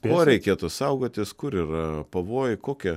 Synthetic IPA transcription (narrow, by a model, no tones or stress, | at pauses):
koːɾʲɛɪkʲeːt̪ʊsɐʊɡoːt̪ʲɪskʊɾiːrɐpɐʋoːjkoːkʲɛ